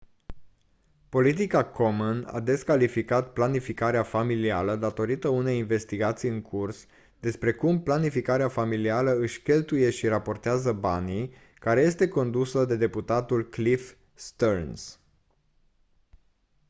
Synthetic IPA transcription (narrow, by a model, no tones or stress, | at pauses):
po̞lit̪̬ikakomuna̰d̪e̞skalifikat̪̚planifikaɾeafamilialəd̪at̪o̞ɾit̪əune̞jinve̞st̪iɡat̪sijɨŋkʰurs | d̪e̞spɾe̞kumplanifikaɾeafamilialəɨʃʲkʲe̞lt̪uje̞ʃirapo̞rt̪eazəbanij | kaɾe̞je̞st̪e̞ko̞nd̪usəd̪e̞d̪e̞put̪at̪ulklif | st̪orns